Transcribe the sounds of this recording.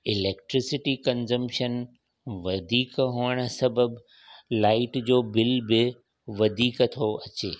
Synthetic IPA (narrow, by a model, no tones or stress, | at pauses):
ɪlɛːk̚ʈɾɪsɪʈikɐ̃nzəmʃən | ʋɐd̪ʱiːkɦuːəɽ̃ə̆sɐbəb | laːɪʈd͡ʑoːbɪlbɪ | ʋɐd̪ʱiːkt̪ʰoɐt͡ɕeː